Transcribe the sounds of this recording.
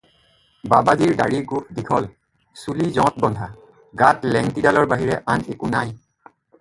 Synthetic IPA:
babaziɹda̰ɹiɡup̚dikʰɔl | sulizɔ̃t̚bɔndʱa | ɡatlɛŋtidalɔɹbaɦiɹɛ̰ʔanekunaj

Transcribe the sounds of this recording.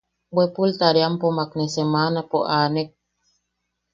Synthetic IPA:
bwepult̪aɾjampomaknesemanapoʔaːnek̚

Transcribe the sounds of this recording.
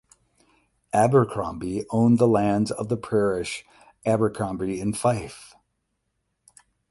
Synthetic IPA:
æbə˞kʰɹ̥ɑ̰̃mbiʔõʊ̃nðəlæ̃ndzʌvðəpʰɹ̥ɛɹɪʃ | æbə˞kʰɑ̃mbɹiɪ̃nfaɪf

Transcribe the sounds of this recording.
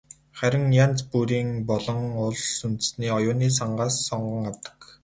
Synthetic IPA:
χæɾʲɪ̆ŋjant͡spuɾiːŋpɔɮɞ̆ŋʊɮsunt̪ɘ̆sniːɔjʊːniːs̬aɴɢaːsːɔɴɢə̆ŋawt̪ə̥̆k

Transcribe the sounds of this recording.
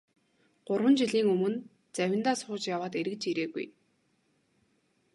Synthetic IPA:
ɢ̥ʊrwə̆nt͡ɕiɮiːŋɵmɵ̆n | t͡sæwʲɪ̆nt̪aːsχʊːt͡ɕjawaːt̪eɾɘ̆k̚t͡ɕiɾeːɣṵj

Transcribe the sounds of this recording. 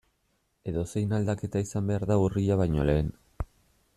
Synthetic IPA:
e̞ðo̞se̞jnald̪ake̞t̪aisambe̞aɾðauriʎaβajɲo̞̰le̞ːn

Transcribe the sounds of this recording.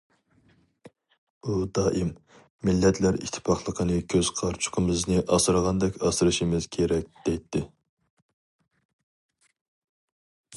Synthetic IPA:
ud̪ɑːʔimː | ilːɛt̪ʰlæɾḭʃt̪ʰːɪ̥pʰɑχlˠəqʰənɨkʲʰøz̥qʰɑɾt͡ʃʰʊ̥qʰəmɨznɨʔɑsɨɾʁɑnd̪ɛkʲɑsɨɾɨʃimɪz̥kʲʰeɾɛk̚ʲd̪̥ɛjt̪ʰːɪ

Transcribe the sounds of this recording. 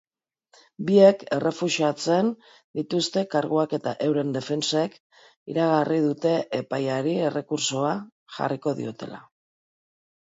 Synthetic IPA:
bie̞ke̞re̞fuʃiat͡se̞n | d̪it̪ust̪e̞kaɾɣoake̞t̪aʔe̞wɾe̞nd̪e̞fe̞nsek | ḭɾaɣ̞arið̞ut̪e̞ʔepajaɾie̞re̞kuɾso̞a | xa̰riko̞ðḭo̞t̪e̞la̰

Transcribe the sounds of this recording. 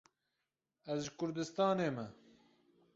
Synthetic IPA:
ɛzʒɨkʰʊɾd̪ɨst̪ɑːneːmɛ

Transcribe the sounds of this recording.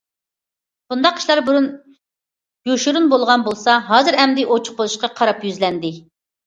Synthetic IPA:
bund̪ɑqʰːi̥ʃlˠɑɾbuɾun | joʃuɾunbolˠʁɑnbolˠsɑɦɑːzɨɾɛmd̪ɪʔot͡ʃʰʊ̥χbolˠuʃqɑqʰɑɾɑpjyzlɛnd̪ɪ

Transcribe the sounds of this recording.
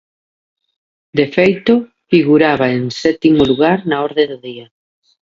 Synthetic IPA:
d̪efejt̪ʊ | fiɣuɾaβaeŋsɛt̪imʊluɣaɾnaɔɾðeðʊðia

